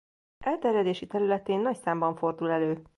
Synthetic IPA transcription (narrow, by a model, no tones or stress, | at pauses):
ʔɛlt̪ɛɾjɛd̪eːʃit̪ɛɾylɛt̪eːnːɒcsaːmbɒɱfo̞rd̪ulɛløː